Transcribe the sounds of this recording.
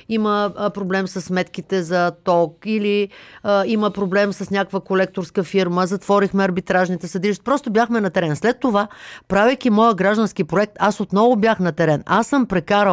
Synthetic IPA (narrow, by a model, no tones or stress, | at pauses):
iməpɾoblɛmsəsːmɛt̪k̟it̪ɛzɐt̪ɔkili | iməpɾoblɛmsəsnʲakkvəkolɛk̚t̪oɾskəfiɾməzɐt̪vɔɾixmɛɐɾbit̪ɾaʒnit̪ɛsɐd̪iliʃt̪i̥pɾɔst̪obʲjaxmɛnɐt̪ɛɾɛnslɛt̪ːovapɾavɛjkʲimɔjəɡɾaʒd̪ənskipɾoɛk̚t̪asot̪nɔvʊbjaxnɐt̪ɛɾɛnʔasəmpɾɛkaɾə